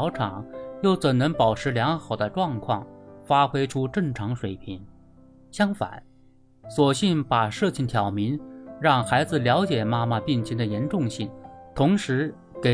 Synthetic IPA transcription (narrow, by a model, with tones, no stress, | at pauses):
ʊʈ͡ʂʰɑ˨˩˦ŋjo˥˩ʊt͡swə˨˩nnɤ˧˥ŋpɑ˨˩ʊʈ͡ʂʰɻ̩˧˥ljɑ˧˥ŋxɑ˨˩ʊd̪ə˦ʈ͡ʂwɑ˥˧ŋkʰwɑ˥˩ŋfa˥xwe˥ɪʈ͡ʂʰu˥ʈ͡ʂɤ˥˩ŋʈ͡ʂʰɑ˧˥ŋʂwe˨˩ɪpʰi˧˥ŋ | ɕjɑ˥ŋfa̰˨˩˦n | swɔ˨˩ɕi˥˩npa˨˩ʂɤ˥˧t͡ɕʰi˥˩nt̪ʰjɑ˨˩ʊmi˧˥nɻɑ˥˩ŋxa˧˥ɪd͡zɹ̩˧ljɑ˧˥ʊt͡ɕjɛ˨˩ma˥ma˥˧pi˥˩nt͡ɕʰɛ˧˥ŋd̪ə˨jɛ˧˥nʈ͡ʂʊ˥˧ŋɕi˥˩ŋt̪ʰʊ˧˥ŋʂɻ̩˧˥ | ke˨˩